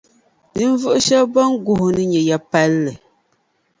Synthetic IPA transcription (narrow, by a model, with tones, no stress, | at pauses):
nɨ˦ɱ˦vu˦ʔʃə˦bɔ˦ŋ˦ɡu˨hnɨ˦ɲɛ˨ja˨pa˦lːɛ˨